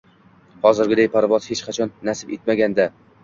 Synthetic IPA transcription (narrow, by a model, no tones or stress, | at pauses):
hɒzɪɾɡʲɪd̪ajpʰaɾvɒt̪het͡ʃqʰɑt͡ʃʰɒnːasɪbet̪maɡʲand̪a